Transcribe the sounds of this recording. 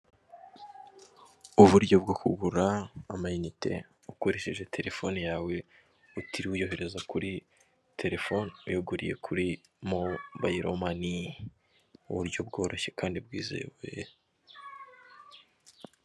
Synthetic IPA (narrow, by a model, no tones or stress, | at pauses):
uβuɾɟo̞b̚ɡokuɡuɾaːmajinite̞̰ | ukoɾe̞ʃiʒe̞tʰe̞ɾe̞fo̞nijaːwe̞ | utiɾiujo̞ɦe̞ɾe̞zakuɾi | tʰe̞ɾe̞fo̞nujoɡuɾḭje̞̰kʰuɾi | mobajiɾo̰mani | ṵβuɾɟo̞bɡo̞ːɾo̞çe̞̥kaːndib̚ɡiːze̞̰ːwej